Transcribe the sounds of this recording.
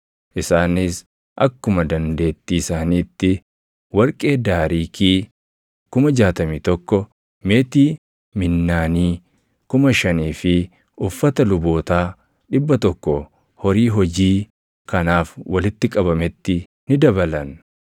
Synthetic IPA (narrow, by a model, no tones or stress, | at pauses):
ʔɪsaːnɪs | ʔɐkːʊmɐd̪ɐnd̪e̞ːt̪ːisaːniːt̪ːɪ | wɐɾkʼe̞ːd̪aːɾiːkʰiː | kʊmɐd͡ʒaːt̪ɐmiːt̪ɔkːɔ | me̞ːt̪iː | mɪnːaːniː | kʊmɐʃɐniːfɪ | ʔʊfːɐt̪ɐlʊbo̞ːt̪aː | ᶑɪbːɐt̪ɔkːɔ | hɔɾiːɦɔd͡ʒiː | kɐnaːfwɐlɪt̪ːɪkʼɐbɐmɛt̪ːɪ | nɪd̪ɐbɐlɐn